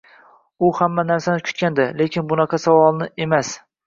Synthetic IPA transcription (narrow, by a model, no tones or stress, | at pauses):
ʊhamːanaɾsanɪkʰʊ̥t̪̚kʲand̪ɪle̞kʲɪnbʊnɑqʰɑsavɒlˠnɪe̞mas